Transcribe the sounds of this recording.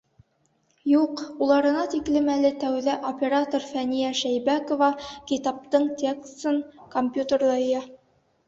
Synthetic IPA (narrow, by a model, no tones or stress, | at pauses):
juqulˠɑɾɤ̆nɑt̪iklɘmælɘt̪æwðæʔopʲeɾat̪orfænijæʃæjbækovɑkit̪ɑp̚t̪ɤɴt̪ʲekst̪ɤɴkomʲpʲjut̪ʲerlˠɑjɑ